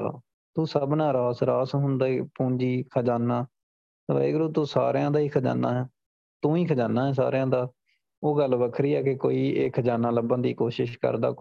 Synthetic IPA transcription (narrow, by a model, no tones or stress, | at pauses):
t̪ũːsəbnaːɾaːsɾaːsɦʊnd̪aːiːpũːɲd͡ʒiːkʰəd͡ʒaːnːaː | t̪ʋə̰ːḛːɡɾuːt̪uːsa̰ːɾjãːd̪aːiːkʰəd͡ʒa̰ːnːa̰ːɦɛː | t̪ũːiːkʰəd͡ʒaːnaːɛ̃ːs̬a̰ːɾjãːd̪aː | oːɡəlʋəkʰɾiːɛːkekoːiːeːkʰəd͡ʒaːnaːləbə̃nd̪ḭːkoːʃɪʃkə̰ɾd̪a̰ː